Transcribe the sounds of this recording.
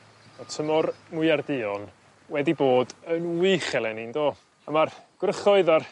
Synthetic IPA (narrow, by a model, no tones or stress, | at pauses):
ɔtʰəmɔrmʊɨardɪɔn | wɛdiboːdənwɪχɛlˠɛnindoː | amarɡ̥rəχɔɨðar